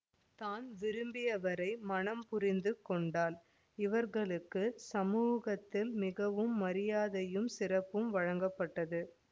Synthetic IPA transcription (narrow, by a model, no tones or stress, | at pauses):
t̪aːnʋɪɾɯmbɪjɐʋɐɾɐɪmɐnɐmpʊɾɪnd̪ɯkɔɳɖaːl | ɪʋɐɾɣɐɭɯkːɯsɐmuːɣɐt̪ːɪlmɪɣɐʋɯmːɐɾɪjaːðɐjɯmsɪrɐpːɯmʋɐɻɐŋɡɐpːɐʈːɐðɯ